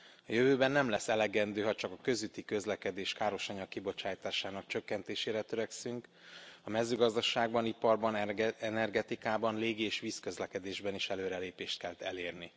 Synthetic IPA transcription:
ɒjøvøːbɛnːɛmlɛsːɛlɛɡɛnd̪øːɦɒt͡ʃɒkɒkø̞zyt̪ːikø̞zlɛkɛd̪eːʃkaːɾo̞ʃɒɲɒkːibo̞t͡ʃaːjt̪aːʃaːnɒkt͡ʃø̞kːɛnt̪eːʃeːɾɛt̪ø̞ɾɛksyŋk | ɒmɛzːøːɡɒzd̪ɒʃaːɡ̚bɒnipɒrbɒnɛnɛrɡɛt̪ikaːbɒnleːɡieːʃʋiskø̞zlɛkɛd̪eːʒbɛniʃɛløːɾɛleːpeːʃt̪kɛlt̪ɛ̰leːrni

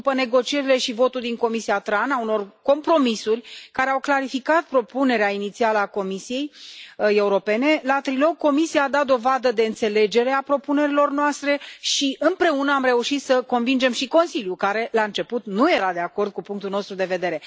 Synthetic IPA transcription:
upəne̞ɡo̞t͡ʃie̞ɾile̞ʃivo̞t̪uld̪iŋko̞misiat̪ɾanauno̞rko̞mpɾo̞misurʲkaɾe̞awklaɾifikat̪̚pɾo̞pune̞ɾeainit̪sialəako̞misije̞je̞uɾo̞pe̞ne̞lat̪ɾilo̞ɡ̚ko̞misijaːd̪at̪̚d̪o̞vad̪əd̪e̞ɨnt̪se̞le̞d͡ʒe̞ɾe̞apɾo̞pune̞ɾilo̞rnoast̪ɾe̞ʃiʔɨnpɾe̞unəamre̞uʃit̪səko̞nvind͡ʒe̞mʃiko̞nsiljukaɾe̞laɨnt͡ʃe̞put̪nuje̞ɾad̪e̞ako̞rd̪̚kupuŋk̚t̪ulno̞st̪ɾud̪e̞ve̞d̪e̞ɾe̞

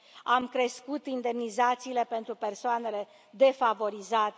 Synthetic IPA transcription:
amkɾe̞skut̪ind̪e̞mnizat̪siːle̞pe̞nt̪ɾupe̞rsoane̞le̞ | d̪e̞favo̞ɾizat̪

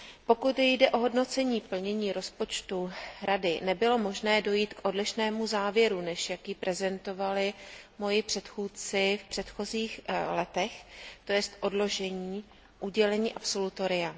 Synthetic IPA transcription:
po̞kut̪jdɛʔo̞ɦo̞dno̞t͡sɛɲiːpl̩ɲɛɲiːɾo̞spo̞t͡ʃt̪uɾadɪnɛbɪlo̞mo̞ʒnɛːdo̞jiːt̪kʔo̞dlɪʃnɛːmuzaːvjɛɾunɛʃjakjipɾɛzɛnt̪o̞valɪmo̞jɪpr̝̥ɛt̪xuːt͡sɪfpr̥ɛt̪xo̞ziːxlɛt̪ɛxt̪o̞jɛst̪ʔo̞dlo̞ʒɛɲiː | ʔuɟɛlɛɲiːʔapso̞lut̪o̞ɾɪa

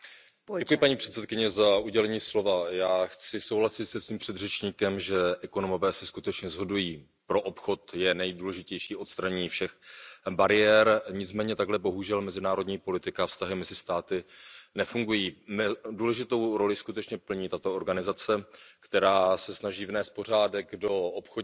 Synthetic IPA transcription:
ɛkujɪpaɲiːpr̥ɛt̪sɛt̪̚kɪɲɛzauɟɛlɛɲiːslo̞vajaːxt͡sɪso̞wlasɪt̪sɛsviːmpr̥ɛd̪r̝ɛt͡ʃɲiːkɛmʒɛʔɛkonomo̞vɛːsɛskut̪ɛt͡ʃɲɛzɦo̞dujiː | pɾo̞ʔopxo̞t̪jɛnɛjduːlɛʒɪcɛjʃiːʔo̞t̪st̪ɾaɲiːfʃɛxbaɾɪjɛːɾɲɪt͡smɛːɲɛt̪aɡɦlɛbo̞ɦuʒɛlmɛzɪnaːɾodɲiːpo̞lɪt̪ɪkafst̪aɦɪmɛzɪst̪aːt̪ɪnɛfuŋɡujiːmɛduːlɛʒɪt̪o̞wɾo̞lɪskut̪ɛt͡ʃɲɛpl̩ɲiːt̪at̪o̞oɾɡanɪzat͡sɛkt̪ɛɾaːsɛsnaʒiːvnɛːst̪̚por̝aːdɛɡdo̞opxo

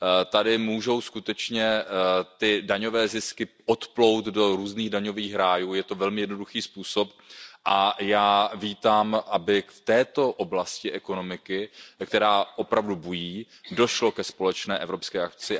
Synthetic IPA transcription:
t̪adɪmuːʒo̞wskut̪ɛt͡ʃɲɛt̪ɪdaɲo̞vɛːzɪskɪʔot̪plo̞wt̪do̞ɾuːzniːɣdaɲo̞viːxɾaːjuːjɛt̪o̞vɛlmɪjɛdno̞duxiːspuːso̞p | ʔajaːviːt̪aːmʔabɪft̪ɛːt̪o̞ʔoblascɪʔɛko̞no̞mɪkɪkt̪ɛɾaːʔo̞pɾavdubujiː | do̞ʃlo̞kɛspo̞lɛt͡ʃnɛːʔɛvɾo̞pskɛːʔak̚t͡sɪ

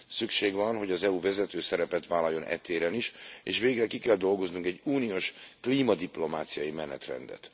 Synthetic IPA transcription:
sykʃeːɡʋɒnɦo̞ɟɒzɛuvɛzɛt̪øːsɛɾɛpɛt̪ʋaːlɒjːo̞nɛ̰t̪eːɾɛniʃḛːʃʋeːɡrɛkikɛld̪o̞lɡo̞znuŋkɛɟːuːnioʃkliːmɒd̪iplo̞maːt̪sijɒjimɛnɛ̰t̪rɛ̰nd̪ɛ̰t̪

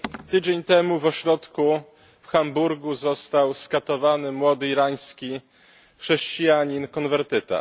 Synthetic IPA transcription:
t̪ɘd͡ʑeɲt̪ɛmuvɔɕɾɔt̪ku | fxambuɾɡuzɔst̪awskat̪ɔvanɘmwɔd̪ɘiɾaj̃skʲi | xʂɛɕt͡ɕijaɲinkɔnvɛɾt̪ɘt̪a̰

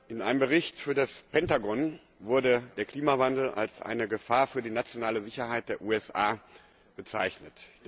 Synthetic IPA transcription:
ʔɪnʔa̰ɪnəmbəʁɪçtfyːɐdaspʰɛntaɡɔn | vʊɐdədeːɐkl̥iːmavandl̩a̰lsʔa̰ɪnəɡəfaːɐfyːɐdiːnat͡sjonaːləzɪçɐhaɪt̚d̥eːɐʔuːɛsʔaː | b̥ət͡sa̰ɪçnət

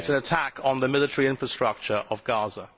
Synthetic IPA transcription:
tsə̃nətʰakʰn̩ðəmɪlɪtʰəɹiɪ̃ɱfɹəstɹ̥ʌk̚t͡ʃəɹʔəvɡɑːzə

